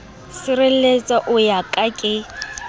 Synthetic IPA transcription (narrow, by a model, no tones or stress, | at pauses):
sɪrel̩et͡sʼaʔʊjakʼakʼɪ